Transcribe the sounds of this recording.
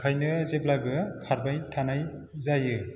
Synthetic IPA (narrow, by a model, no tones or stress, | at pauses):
kʰajnɯzeblaɡɯkʰaɾbajtʰanaj | zajɯ